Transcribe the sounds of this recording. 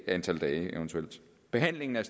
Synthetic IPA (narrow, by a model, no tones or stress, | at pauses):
ænt͡sʰæl̰d̥ɛːɪʔeʊənt͡sʰuel̰d̥ | b̥e̝ɦæn̰le̝ŋn̩æs